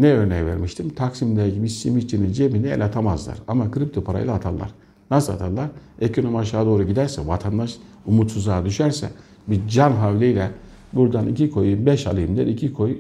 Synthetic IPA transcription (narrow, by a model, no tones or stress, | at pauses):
nɛø̞ɾnɛjvḛɾmiʃt̪ʰimt̪ʰaksimneɟibisimit͡ʃʰinind͡ʒebinɛḛlʲat̪ʰamazlˠa̰ɾamakʰɯɾip̚t̪ʰopʰaɾa̰jlˠat̪ʰalˠːa̰ɾ̥ | nasɯlˠa̰t̪ʰalˠːaɾecʰonomaʃ̬aːd̪o̞ːɾuɟid̪æɾsɛvat̪ʰand̪aʃ | umut̪suzlˠaːd̪yʃæɾsɛ̰ | bid͡ʒanɦavlʲejlʲɛ | buɾd̪anicikʰo̞jmbɛʃa̰lˠɯjɯmd̪ɛɾicʰikʰo̞j